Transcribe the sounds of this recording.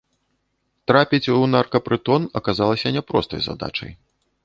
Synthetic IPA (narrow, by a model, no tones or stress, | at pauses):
t̪ɾapʲit͡sʲunarkɐpɾɨt̪ɔnɐkazalˠɐsʲɐnʲɛpɾɔst̪ɐ̰jza̰d̪a̰t͡ʂɐ̰j